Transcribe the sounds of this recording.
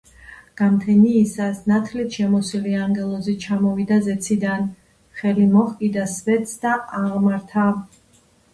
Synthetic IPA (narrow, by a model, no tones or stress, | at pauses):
ɡ̥amt̪ʰɛniːsasnat̪ʰlit̪ʰʃɛmɔsiliaŋɡɛlˠɔzit͡ʃʰamɔvid̪azɛt̪sʰid̪an | χɛlimɔχkʼid̪asvɛt̪sʰd̪aaʁmaɾt̪ʰa